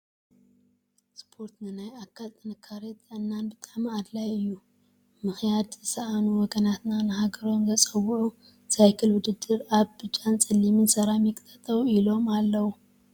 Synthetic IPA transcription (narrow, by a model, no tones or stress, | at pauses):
spʰo̞ɾt̪nɨnajakʰːalt̪ʼɨnɨkʰːaɾet̪ɨnːanbɨt̪ʼaʕmiad̪lajɨjːu | mɨxjad̪zɨsɐʔanuwɔɡɐnat̪nanɨɦaɡɐɾo̞mzɐt͡sʼɐwːuʕu | sajkʰɨlwʊd̪ɨd̪ːɨɾaβbɨt͡ʃʼːant͡sʼɨlimɨnsɐɾamikʼt̪ʰɐt̪ʰʼɐwilo̞malːɐwu